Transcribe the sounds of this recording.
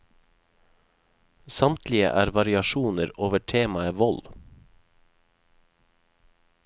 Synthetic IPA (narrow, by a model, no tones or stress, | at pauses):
sɑmt̪ʰlɪə̰ʔæːɾʋɑɾɪɑʃuːnəɾoːʋəʈʰeːmɑəʋɔl